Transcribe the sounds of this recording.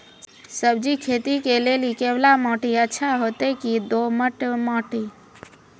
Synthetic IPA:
səb̚d͡ʒikʰeːt̪ikelelikeblamɔ̃ːʈiətːʃʰaɦoːt̪ekid̪oːməʈmɔ̃ːʈi

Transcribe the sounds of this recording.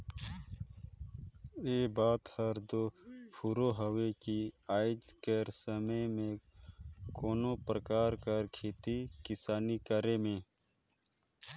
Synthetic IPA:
eːbaːt̪həɾd̪oːpʰuɾoɦəwekiaːɪd͡ʒkeɾsəməjmẽ | koːnõpɾəkaːɾkəɾkʰeːt̪ikɪsaːnikəɾemẽː

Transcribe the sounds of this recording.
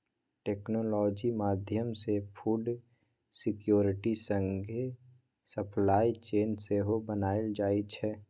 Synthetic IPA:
ʈeːknolɔːd͡ʒimaːd̪ʱjəmsepʰuːɖ | sɪkjoːɾɪʈisə̃ŋɡʱe | səpʰlaːit͡ʃeːnseɦobənaːeld͡ʒaːit͡ʃʰɛː

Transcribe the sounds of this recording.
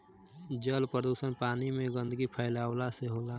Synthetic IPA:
d͡ʒəlpɾəd̪uːsənpaːnimẽɡə̃nd̪əɡipʰəːlaːwlaseɦoːlaː

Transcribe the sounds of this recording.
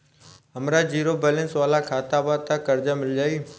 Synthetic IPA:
ɦəmɾad͡ʑiːɾobɛːlə̃nsʋaːlakʰaːt̪aːbaːt̪ãkəɾd͡ʒamɪld͡ʒaːiː

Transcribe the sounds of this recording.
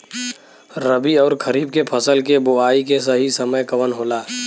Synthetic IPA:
ɾəbiɔːɾkʰəɾiːb̚kepʰəsəlkeboaːikesɐɦisɐməjkɐʋənɦoːlaː

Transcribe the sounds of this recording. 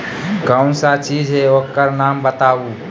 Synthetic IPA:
kəʊ̃nsat͡ʃiːd͡ʒɦɛokkːəɾnaːmbət̪aːu

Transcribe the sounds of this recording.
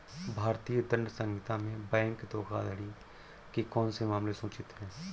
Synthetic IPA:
bʱaːɾt̪ijəd̪ə̃nɖsə̃ŋɡɪt̪ãmẽbɛ̃ːŋkd̪oːkʰa̰ːd̪əɽi | kekɔːnsemaːmlesũːt͡ʃɪt̪ɦɛ̃ː

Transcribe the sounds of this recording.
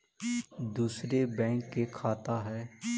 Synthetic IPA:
d̪uːsɾebɛ̃ːŋkːekʰaːt̪aɦɛː

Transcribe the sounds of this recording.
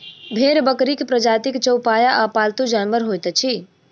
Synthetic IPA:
bʱeɾbəkɾikpɾəd͡ʒat̪ikt͡ʃəwpajaʔapalt̪ud͡ʒanʋəɾɦojt̪t͡ʃʰi

